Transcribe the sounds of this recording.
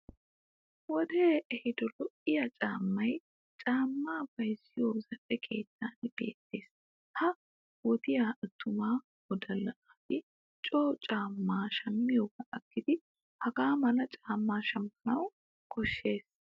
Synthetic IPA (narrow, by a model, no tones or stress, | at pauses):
wɔd̪e̞ːʔɛhɪd̪ɔlɔʔɪjat͡ʃʼaːmːɐj | t͡ʃʼaːmːaːb̥ɐjsːɪjoːzɐpʼːɛkʰe̞̰ːt̪ʰːaːnb̥e̞̰ːt̪ːe̞ːs | hɐ | wɔt̪ɪjaːʔɐt̪ʰːʊmaː | wɔd̪ɐlːɐʔat̪ɪ | t͡ʃʼoːt͡ʃʼaːmːaːʃɐmːɪjoːɡɐʔɐkːɪd̪ɪ | hɐɡaːmɐlɐt͡ʃʼaːmːaːʃɐmpːɐnɐw | kʰɔʃːe̞ːs